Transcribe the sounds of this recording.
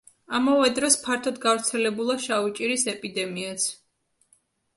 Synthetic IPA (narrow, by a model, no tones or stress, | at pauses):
amavɛd̪ɾɔspʰaɾt̪ʰɔd̪ɡavɾt̪sʰɛlɛbulˠaʃaut͡ʃʼiɾisɛpʼid̪ɛmias